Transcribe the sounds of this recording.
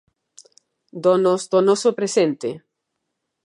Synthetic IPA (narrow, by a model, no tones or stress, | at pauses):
d̪onozd̪onɔsopɾesent̪e